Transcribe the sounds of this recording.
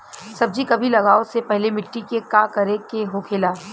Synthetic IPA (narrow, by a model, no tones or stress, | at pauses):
sɐb̚d͡ʒikɐbʱilɐɡaːosepɛɦlemɪʈːikekakɐɾekeɦokʰeːlaː